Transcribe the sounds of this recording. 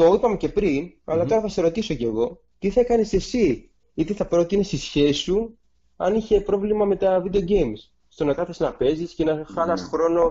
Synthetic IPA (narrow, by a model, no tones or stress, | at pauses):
t̪o̞ipɐme̞ce̞pɾinɐ̰lɐt̪o̞ɾɐθɐsesɾo̞t̪iso̞ce̞ɣo̞ | t̪iθɐekɐne̞se̞si | it̪eθɐpɾo̞t̪ine̞st̪isçe̞su | ɐ̰niçe̞pɾo̞vlimɐme̞t̪ɐvid̪eoɟe̞jms | st̪onɐkɐθeznɐpe̞zisce̞nɐxɐnɐsxɾo̞no̞